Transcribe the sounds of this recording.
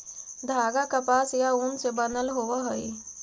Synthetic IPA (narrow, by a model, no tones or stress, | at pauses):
d̪ʱaɡakəpasjauːnsebənəlɦoʋəɦəi